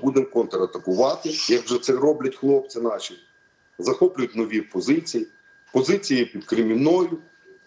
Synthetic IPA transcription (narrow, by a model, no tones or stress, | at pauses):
bud̪emkɔnt̪eɾɐt̪ɐkʊʋɑt̪ɪjɐɡʒɔt̪sɛɾɔblʲɐtʲxlˠɔp̚t͡s̪ʲɪnɑʃʲi | zɐxɔplʲʊjʊtʲnɔʋʲiɔpɔzɪt͡sʲiji | pɔzɪt͡sʲijipʲid̪kɾɪmʲinɔjʊ